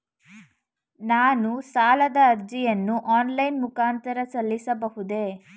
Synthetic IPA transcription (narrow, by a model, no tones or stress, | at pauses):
naːnusaːlɐd̪ɐːɾd͡ʒijɐnːuʔaːnlɐjnmukaːnt̪ɐɾɐsɐlːisɐbɐɦud̪e